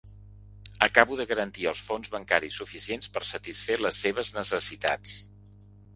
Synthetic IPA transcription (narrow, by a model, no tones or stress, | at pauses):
əkaβuðəɣəɾənt̪iəlˠsfonzβəŋkaɾisufisienspəɾsət̪isfeləsːeβ̞əznəsəsit̪a̰t͡s